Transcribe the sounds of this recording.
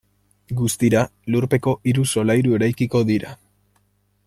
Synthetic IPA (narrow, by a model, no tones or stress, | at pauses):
ɡust̪iɾaluɾpe̞ko̞ʔiɾuso̞lajɾue̞ɾajkiko̞ðiɾa̰